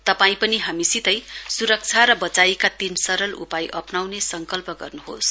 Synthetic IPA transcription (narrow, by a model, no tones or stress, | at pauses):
t̪ʌpaĩpʌniɦamisit̪ʌjsuɾʌk̚t͡sʰaɾʌbʌt͡saikat̪insʌɾʌlṵpajʔʌpnawnesʌŋkʌlpʌɡʌrnuɦo̰s